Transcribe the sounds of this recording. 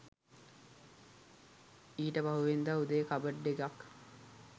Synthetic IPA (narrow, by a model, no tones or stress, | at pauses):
iːʈəbaɦuʋend̪aːud̪əjəkabəɖːekak